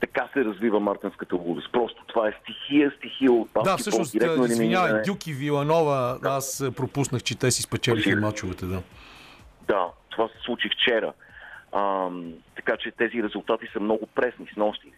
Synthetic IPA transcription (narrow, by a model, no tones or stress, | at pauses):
t̪ɐkasɛɾɐzvivəmaɾt̪inskət̪əɡud̪əspɾɔst̪o̥t̪ovaɛst̪ixiəst̪ixiot̪bad̪afiəʃnosiɾɛknoiizmiɲavɐjɛdʲjukivilˠɐnɔvəaspɾopusnəxt͡ʃɛt̪ɛsispɛt͡ʃɛlimat͡ʃuvɐt̪ɛd̪a | d̪at̪ovasɛ̥slˠut͡ʃift͡ʃɛɾə̰əmt̪ɐkat͡ʃɛt̪ɛziɾɛzʊlˠt̪at̪isəmnɔɡʊpɾɛsnisnɔst̪i